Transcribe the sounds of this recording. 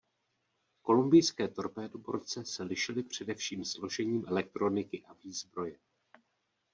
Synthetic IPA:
ko̞lumbɪjskɛːt̪o̞ɾpɛːdobo̞̰ɾt͡sɛsɛlɪʃɪlɪpr̝̥ɛdɛfʃiːmslo̞ʒɛɲiːmʔɛlɛk̚t̪ɾo̞nɪkɪʔaviːzbɾo̞jɛ

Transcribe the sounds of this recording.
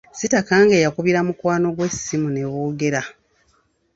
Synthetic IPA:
sitakaːŋɡe̞ːjakuβiɾamukwaːno̞ɡwe̞simune̞βoːɡe̞ɾa

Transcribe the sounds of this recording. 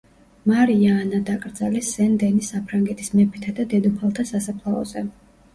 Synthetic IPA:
maɾiaːnad̪akʼɾd̪zalisɛnd̪ɛnisapʰɾaŋɡɛt̪ʰi̥smɛpʰit̪ʰad̪ad̪ɛd̪upʰalˠt̪ʰasasapʰlˠaɔ̰z̥ɛ

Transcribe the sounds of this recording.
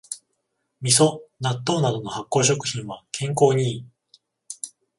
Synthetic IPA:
mʲis̬o̞nat̪ːo̞ːnad̪o̞no̞hakːo̞ːɕo̞kɯ̟̥çĩɰ̃βakʰẽ̞ŋko̞ːɲ̟iː

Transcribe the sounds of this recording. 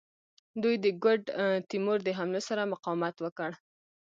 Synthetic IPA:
d̪ujd̪əɡʊɖt̪imoɾd̪əɦamlosaɾamʊqɑwmat̪wəkəɽ

